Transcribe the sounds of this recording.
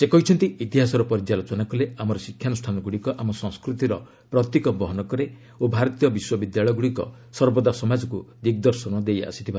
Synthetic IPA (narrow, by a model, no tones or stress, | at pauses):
sekɔɦit͡ʃʰɔnt̪iit̪iɦasɔɾɔpɔɾid͡ʒalot͡ʃɔnakɔleamɔɾɔsikʰːjanusʈʰanɔɡuɽikɔʔamɔsɔ̃ŋskɾut̪iɾɔ | pɾɔt̪ːikɔbɔɦɔnɔkɔɾe | obʱaɾɔt̪ijɔbiswɔbid̪jaɭɔjɡuɽikɔ̰ | sɔɾbɔd̪asɔmad͡ʒɔkud̪ikd̪ɔɾsɔnɔd̪eja̰si̥t̪ʰiba